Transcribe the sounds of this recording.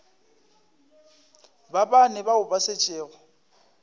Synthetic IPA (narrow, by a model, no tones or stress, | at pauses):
babanɛbaʊbaset͡ʃʼeːɣɔ